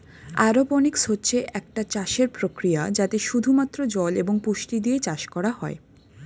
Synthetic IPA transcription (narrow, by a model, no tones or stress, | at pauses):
aɾoponiksotːɕʰeʔɛk̚ʈat͡ɕaʃeɾpɾokɾijad͡ʑat̪eʃud̪ʱumat̪ːɾod͡ʑɔleboŋpuʃʈid̪iet͡ɕaʃkɔɾaɦɔe